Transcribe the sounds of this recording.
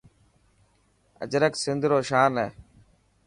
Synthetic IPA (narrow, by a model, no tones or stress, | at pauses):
ə̰d͡ʒɾəksɪnd̪ʱɾoːʃaːnɛː